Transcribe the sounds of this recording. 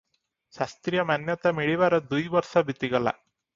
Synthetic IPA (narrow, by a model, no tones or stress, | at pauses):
ʃast̪ɾijɐmanjɐt̪amiɭiʋaɾɐd̪ujʋɐɾʃabʱit̪iɡɐla̰